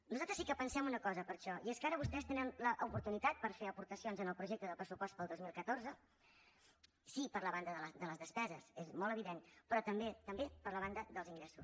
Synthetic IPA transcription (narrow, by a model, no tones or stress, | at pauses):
nuzalˠt̪ɾəsikəpənsɛmunəkɔzəpəɾʃɔieskaɾəβ̞ust̪ɛst̪enənləʔupuɾt̪unit̪at̪̚pəɾfeəpuɾt̪əsionzənəlˠpɾuʒek̚t̪əðəpɾəsupɔst̪pəlˠd̪ozmilˠkət̪oɾzə | sipəɾləβand̪əðələd̪ələzðəspɛzəsezmɔlˠəβiðenpɾɔt̪əmbet̪əmbepəɾləβand̪əðəlˠziŋɡɾɛsus